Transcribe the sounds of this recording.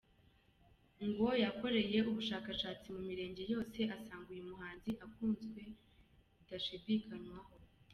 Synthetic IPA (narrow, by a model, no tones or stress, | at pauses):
ŋɡo̞jako̞ɾe̞je̞ʔuβuʃaːkaʃaːt͡simumiɾe̞ːɲɟe̞jo̞ːse̞ʔasaːŋɡujemuɦaːnziʔakuːnzɡwe̞ | idaʃidikʰanwaho̞